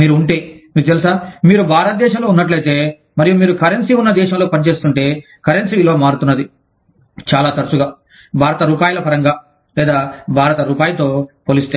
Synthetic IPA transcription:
miːɾuuɳʈeːmiːɾt̪elisaːmiːɾubʱaːɾɐt̪ɐd̪ɛːʃɐmlo̞ːunːɐʈlɐjt̪e̞ː | mɐɾijumiːɾukɐɾensiunːɐd̪ɛːʃɐmlo̞ːpɐnit͡ʃe̞ːst̪uɳʈe̞ː | kɐɾensiʋiloːmaːɾut̪unːɐd̪i | t͡ʃaːlaːt̪ɐɾsuɡaː | bʱaːɾɐt̪ɐɾuːpaːjɐlɐpɐɾɐŋɡaː | lɛːd̪aːbʱaːɾɐt̪ɐɾuːpaːjɐt̪o̞ːpoːlist̪eː

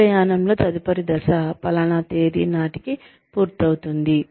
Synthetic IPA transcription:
ɐjaːnɐmlo̞ːt̪ɐd̪ipɐɾid̪ɐsɐpɐlɐɳɐt̪eːɾḭːnaːʈiki | puːɾt̪ɐwut̪und̪i

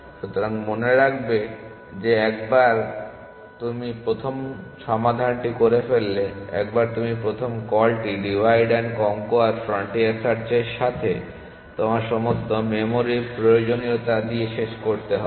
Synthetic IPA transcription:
ʃut̪oɾaŋmoneɾakʰbe | d͡ʑeɛkbaɾ | t̪umipɾot̪ʰomʃɔmad̪ʱanʈikoɾefelːeɛ̰k̚baɾt̪umipɾot̪ʰomkɔlʈiɖibʱajɖenkɔŋkoaɾfɾɔɳʈiesaɾt͡ɕeɾʃat̪ʰe | t̪omaɾʃɔmost̪omemoɾipɾojod͡ʑoniot̪ad̪ieʃeʃkoɾt̪eɦɔe

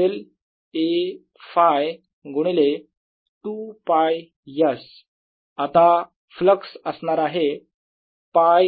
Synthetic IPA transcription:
el | e | faj | ɡoɽ̃ile | tupaj | jəs | at̪a | fləksəsɳaɾaɦe | paj

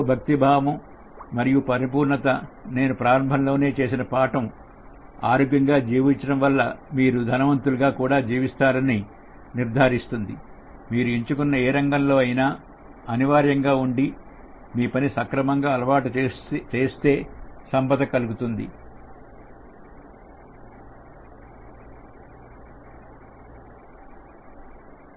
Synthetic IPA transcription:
bʱɐk̚t̪ibʱaːʋɐm | mɐɾijupɐɾip̬uːɾɳɐt̪ɐne̞ːnupɾaːɾɐmbʱɐmlo̞ːne̞ːt͡ʃe̞ːsinɐpaːʈɐm | a̰ːɾoːɡjɐŋɡaːd͡ʒiːʋiɲt͡ʃɐɽɐmʋɐlːɐmiːɾud̪ʱɐnɐʋɐnt̪uluɡaːkuːɽaːd͡ʒiːʋist̪aːɾɐni | niɾd̪ʱaːɾist̪und̪i | miːɾuiɲt͡ʃukunːɐeːɾɐŋɡɐmlo̞ːɐjinaː | ɐniʋaːɾjɐŋɡaːuɳɖi | miːpɐnisɐkɾɐmɐŋɡaːɐlɐʋaːʈut͡ʃe̞ːst̪e̞ːsɐmpɐd̪ɐkɐluɡut̪und̪ḭ

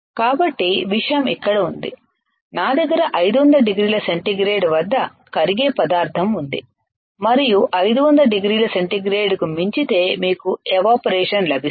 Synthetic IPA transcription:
kaːbɐʈːiʋiʂɐjɐmikːɐɽɐund̪ḭ | naːd̪ɐɡːɐɾɐʔɐjd̪uʋɐnd̪ɐlɐɖiɡɾiːlɐse̞ɳʈiɡɾeːɖʋɐd̪ːɐ | kɐɾiɡeːpɐd̪aːɾt̪ʰɐmund̪ḭ | mɐɾijuʔɐjd̪uʋɐnd̪ɐlɐɖiɡɾiːlɐse̞ɳʈiɡɾeːɖkumiɲt͡ʃit̪e̞ːmiːkueʋaːpɐɾɛːʂɐnlɐbʱi

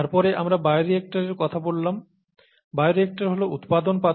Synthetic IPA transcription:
aɾpɔɾeʔamɾabajɾiek̚ʈaɾeɾkɔt̪ʰabolːam | bajɾek̚ʈaɾɦolout̪pad̪onpa

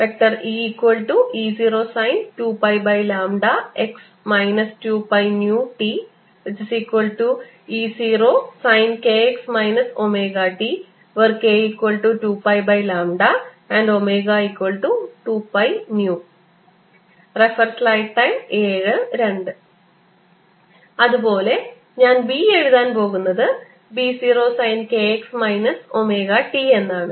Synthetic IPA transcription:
pek̚ʈɐriːikwɐlʈuiːsiːɾoːsajnʈuːpɐjbɐjlaːmɖaeks | majnɐstuːpɐjnjuʈi | ʋit͡ʃisikwɐlʈu | iːsiːɾoːsajnkeːeksmajnɐsomeːɡaʈi | ʋɐrkeikʋɐlʈuʈuːpɐjbɐjlaːmɖa | ɐɳɖomeːɣaikwɐɭʈuʈuːpɐjnjuː | refɐrslɐjʈʈɐjmeːɻɨɾe̞ɳɖɨ | ɐðubo̞ːle̞ | ɲaːnbieɻuðaːnpo̞ːɣunːɐðɨ | biːsiːro̞ːsɐjnkeeksmɐjnɐso̞meːɣaʈie̞nːaːɳɨ

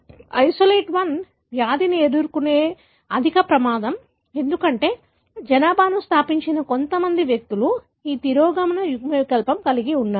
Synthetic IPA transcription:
ɐjsoleːʈʋɐn | ʋjaːd̪inieduɾukune̞ː | ɐd̪ʱikɐpɾɐmaːd̪ɐm | e̞nd̪ukɐɳʈe̞ː | d͡ʒɐnaːbʱaːnust̪ʰaːpiɲt͡ʃinɐko̞nt̪ɐmɐnd̪iʋjɐk̚t̪ulu | iːt̪iɾoːɡɐmɐnɐjuɡmɐkɐlpɐmkɐliɡiunːaː

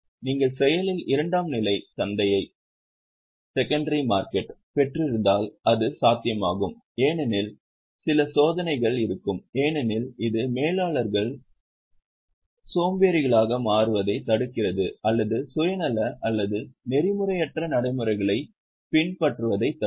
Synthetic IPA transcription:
niːŋɡɐɭsɛjɐlɪlɪɾɐɳɖaːmnɪlɐɪt̪ɐnd̪ɐjɐɪ | sɛkːɐɳɖɐɾimaːɾkɛʈpɛʈrɪɾɯnd̪aːlʔɐðɯsaːt̪ɪjɐmaːɣɯm | eːnɛnɪl | sɪlɐsoːðɐnɐɪɣɐɭɪɾɯkːɯmeːnɛnɪlɪðɯmeːlaːɭɐɾɣɐɭ | soːmbeːɾɪɣɐɭaːɣɐmaːrɯʋɐðɐɪt̪ɐɽɯkːɪrɐðɯɐlːɐðɯsʊjɐnɐlːɐʔɐlːɐðɯnɛɾɪmɯrɐjɛʈrɐnɐɽɐɪmɯɾɐɪɣɐɭɐɪ | pɪɳpɐʈrɯʋɐðɐɪt̪ːɐ

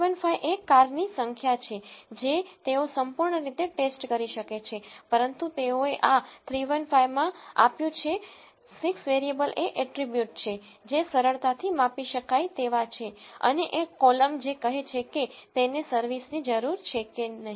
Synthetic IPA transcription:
ʋənfajʔekːaɾnisəŋkʰjat͡ʃʰed͡ʒet̪eosəmpuɾɳəɾit̪eʈesʈkəɾiʃəket͡ʃʰepəɾənt̪ut̪eoeʔat̪ʰɾiʋənfajmãapjũt͡ʃʰe | siksʋeɾiebəlʔeʔɛʈɾibjuʈ̚t͡ʃʰe | d͡ʒesəɾəɭt̪at̪ʰimapiʃəkajt̪eʋat͡ʃʰeə̰neʔekːɔləmd͡ʒekəɦet͡ʃʰeket̪enesəɾʋisnid͡ʒəɾuɾt͡ʃʰekenəɦi

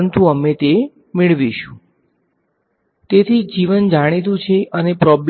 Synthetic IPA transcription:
nt̪ũəmet̪e | mɪɭʋiʃũ | t̪et̪ʰid͡ʒiʋənd͡ʒaɽ̃it̪̬ũt͡ʃʰeʔənepɾɔbl

